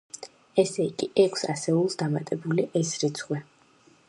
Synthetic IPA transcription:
ɛsɛikʼiʔɛkʷʰsa̰sɛulˠsd̪amat̪ʼɛbuliʔɛsɾit̪sʰχwɛ

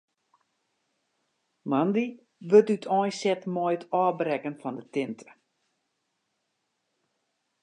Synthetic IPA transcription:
mandi | ʋøtytʰɔjsɛtmɔjtʰɔːbrɛkənfɔndətɪntʰə̥

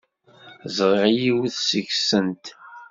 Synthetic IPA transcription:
zʁeʁjiwθsəʝsənt̪

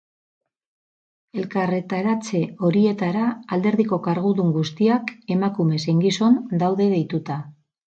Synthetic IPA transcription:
e̞lkare̞t̪aɾat͡se̞o̞ɾie̞t̪aɾaːld̪e̞ɾðiko̞kaɾɣ̞uðuŋɡust̪iake̞makume̞se̞ŋɡiso̞nd̪awðe̞ðe̞jt̪ut̪a

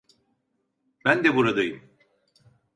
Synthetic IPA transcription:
bænd̪ɛbuɾad̪ajɯm

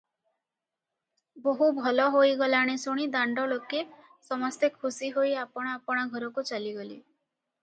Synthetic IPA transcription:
boɦubʱɔlɔɦojɡɔlaɽ̃esoɽ̃id̪aɳɖɔloke | sɔmɔst̪ekʰusiɦojapɔɽ̃ɔapɔɽ̃aɡʱɔɾɔkut͡ʃaliɡɔlḭ

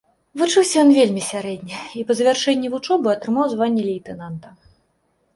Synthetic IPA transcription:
vɨt͡ʂɨwsʲɐjɔnvʲelʲmʲisʲaɾɛd̪ʲnʲɛipɐzɐvʲarʂɛnʲːivut͡ʂɔbɨɐt̪ɾɨmawzvanʲːɛlʲɛjt̪ɛnant̪ɐ

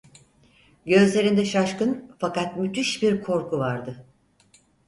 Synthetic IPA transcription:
ɟø̞zlʲe̞ɾind̪ɛʃaʃkɯnfakat̪myt̪ʰyʃbiɾkʰo̞ɾkʰuvaɾd̪ɯ

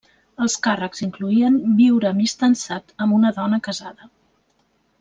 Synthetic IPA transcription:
əlˠskarəkziŋkluiəmbiwɾəmist̪ənsat̪əmbunəðɔnəkəzaðə

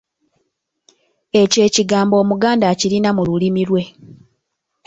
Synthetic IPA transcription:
e̞ce̞ːciɡaːmbo̞ːmuɡaːndaːciɾinamululimilwe̞

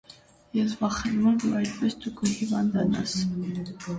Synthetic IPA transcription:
jɛs̬vɑχɛnmɔɾd̪uɑjd̪pɛsd̪ukʰəhivɑnd̪ɑnɑ̰s

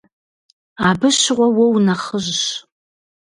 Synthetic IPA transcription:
aːbɨɕɪʁʷɔwɔwnɐχəʑɕ

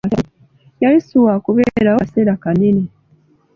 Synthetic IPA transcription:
ta | jaisuwakuβeɾawaseɾakanine

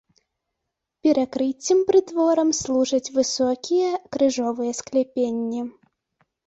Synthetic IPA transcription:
pʲɛɾakɾɨt͡sʲːimpɾɨt̪vɔɾɐmslˠuʐɐt͡sʲvɨsɔkʲijɛkɾɨʐɔvɨjɛsklʲɛpʲenʲːi

